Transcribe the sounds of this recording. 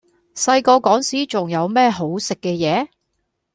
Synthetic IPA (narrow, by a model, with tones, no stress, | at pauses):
sɐ˧jkɔː˧kɔː˨˥ŋsiː˨˥t͡sʊ˨ŋjɐ˨˧wmɛː˥ɦo˨˥wsɪ˨kːɛː˧jɛː˨˦